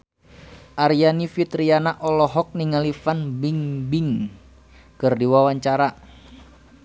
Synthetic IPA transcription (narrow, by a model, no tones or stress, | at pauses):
ʔaɾijanifit̪ɾianaʔɔlɔɦɔk̚niŋalifanbiŋbiŋ | kərdiwawaɲt͡ʃaɾa